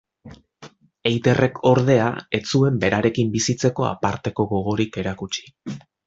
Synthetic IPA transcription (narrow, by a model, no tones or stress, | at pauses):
e̞jt̪e̞rʔe̞kʰo̞ɾðe̞a̰e̞t͡sue̞mbe̞ɾaɾe̞kimbisit͡se̞ko̞a̰paɾt̪e̞ko̞ɣo̞ɣ̞o̞ɾike̞ɾakut͡ʃi̥